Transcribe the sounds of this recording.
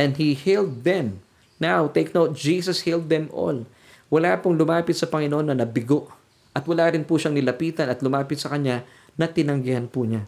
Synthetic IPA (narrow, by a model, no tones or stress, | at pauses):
ʔɛnd̪hihild̪̚ːɛm | nawt̪ejknowt̪̚d͡ʒiːsɐshild̪̚ːɛmʔo̰l | wɐlapʊŋlʊmaːpɪt̪sɐpɐŋɪnoʔonːɐnɐbɪɡoʔ | ʔɐt̪wɐlaːɾɪnpuʃɐŋnɪlɐpiːt̪ɐnɐt̪lʊmaːpɪt̪sɐkɐɲa | nɐt̪ɪnɐŋɡɪhanpuɲa